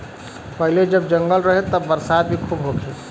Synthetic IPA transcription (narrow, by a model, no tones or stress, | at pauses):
pəɦiled͡ʒəb̚d͡ʒəŋɡəlɾəɦet̪ːəːəɾsad̪̚bʱikʰubɦokʰe